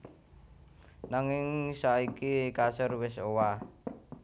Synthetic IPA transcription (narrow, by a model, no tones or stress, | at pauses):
naŋɪŋsaikikasʊrwɪsowa